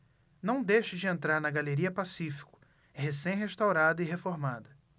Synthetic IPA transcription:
nɐ̃w̃d̪ejʃɪd͡ʒɪẽnt̪ɾaɾnɐɡaleɾiɐpasifi̥kʊ̥ | ɦesẽj̃ɦeʃt̪awɾad̪ɐiɦefoɾmad̪ɐ

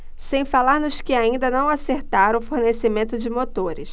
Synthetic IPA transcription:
sẽj̃falaɾnʊskɪaĩnd̪ɐnɐ̃w̃aseɾt̪aɾɐ̃ʊfoɾnesɪmẽnt̪ʊd͡ʒɪmot̪oɾɪ̰s

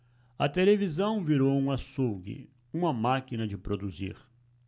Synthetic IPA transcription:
ɐ̰t̪elevizɐ̃w̃viɾowũasowɡɪ̰ | ũmɐmakinɐd͡ʒɪpɾod̪uzḭɾ

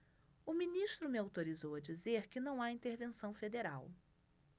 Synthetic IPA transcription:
ʊmĩniʃt̪ɾʊmɪawt̪oɾizowɐd͡ʒizeɾkɪnɐ̃w̃aĩnt̪eɾvẽsɐ̃w̃fed̪eɾa̰w

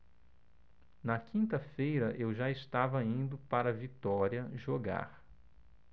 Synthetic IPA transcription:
nɐkʰĩnt̪ɐfejɾɐʔewʒaɪst̪avɐĩnd̪ʊpaɾɐvit̪ɔɾiɐʒoɡa̰ɾ

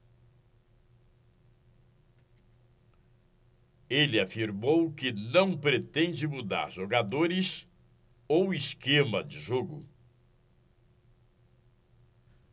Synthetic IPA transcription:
elɪafiɾmowkɪnɐ̃w̃pɾet̪ẽnd͡ʒɪmud̪a̰ɾʒoɡad̪oɾɪs | owiskẽmɐd͡ʒɪʒoɡʊ

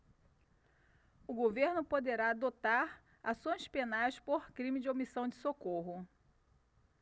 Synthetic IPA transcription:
ʊɡoveɾnʊpod̪eɾaːd̪ot̪aɾ | asõj̃spenajspoɾkɾĩmɪd͡ʒɪomisɐ̃w̃d͡ʒɪsokoɦʊ

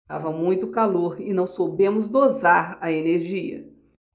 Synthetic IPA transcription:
a̰vɐmũj̃t̪ʊkaloɾɪnɐ̃w̃sobẽmʊzd̪ozaɾɐeneɾʒiɐ̰

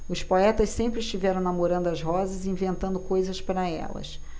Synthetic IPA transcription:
ʊspoɛt̪ɐssẽmpɾɪst͡ʃivɛɾɐ̃w̃nɐmoɾɐ̃d̪ʊɐzɦɔzɐzĩvẽnt̪ɐ̃nd̪ʊkojzɐspaɾɐɛ̰lɐ̰s

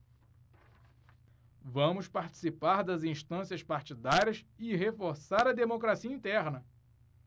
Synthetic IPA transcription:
vɐ̃mʊspaɾt͡ʃi̥sipaɾd̪ɐzĩʃt̪ɐ̃siɐspaɾt͡ʃid̪aɾʲiɐsɪɦefoɾsaɾɐd̪emokɾasiɐĩnt̪ɛɾnɐ

